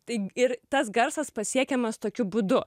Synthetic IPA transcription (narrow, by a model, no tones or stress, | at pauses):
t̪ɐɪɪɾt̪ɐs̬ɡɐɾsɐspɐsʲiɛkʲɛmɐst̪oːkʲʊbuːd̪ʊ